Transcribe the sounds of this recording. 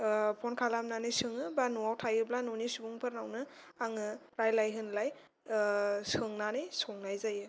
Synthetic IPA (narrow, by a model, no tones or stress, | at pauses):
pʰɔnkʰalamnanɯjsɯŋɯbanuwawtʰajɯblanunisubuŋpʰɯɾnawnɯ | aŋɯpɾajlajɦɯnlaj | sɯŋnanɯjsɔŋnajzajɯ